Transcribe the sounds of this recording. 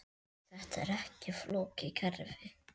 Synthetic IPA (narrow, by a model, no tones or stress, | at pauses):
θɛht̪ɛ̰ɾɛhcɪfloːcɪkʰɛɾvɪ